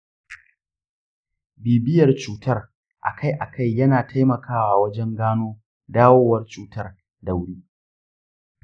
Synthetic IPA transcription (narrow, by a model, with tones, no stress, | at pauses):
biː˨bɪ˦jɐ˨rt͡ʃuː˦tɐ˦r | ʔa̰˨kʰa˦˨jʔa̰˨kʰa˦˨jːɐ˦naː˨tʰa˦jmɐ˨kʰaː˦waː˨wɐ˦d͡ʒɛ˦ŋɡaː˦noː˦ | daː˦woː˦wɐ˦rt͡ʃuː˨tɐ˦r | dɐ˨wɽiː˦